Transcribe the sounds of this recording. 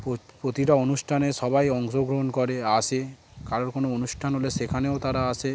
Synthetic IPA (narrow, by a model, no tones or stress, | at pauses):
popɾot̪iɾaonuʃʈʰaneʃɔbajɔŋʃoɡɾoɦonkoɾeat͡ʃʰe | kaɾoɾkonoonuʃʈʰanɦoleʃekʰaneot̪aɾaat͡ʃʰe